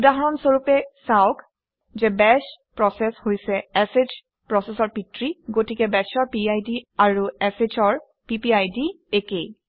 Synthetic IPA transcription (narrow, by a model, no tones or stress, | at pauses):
udaɦɔɹɔnsoɹupɛsaok | zɛbɛspɹɔsɛshojsɛɛsed͡ʒ | pɹɔsesɔɹpitɹiɡotikɛbɛsɔɹpiajdiaɹuɛset͡ʃʰɔɹ | pipiajdi | ekej